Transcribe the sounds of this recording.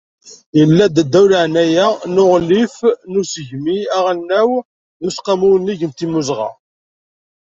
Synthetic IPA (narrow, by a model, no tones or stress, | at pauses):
jəlːæd̪d̪ːæwlaʕnæjænʊʁlːifnusəʝmiæʁælnːæw | ðusqɑmuwnːiʝənt̪imuzʁɑ̰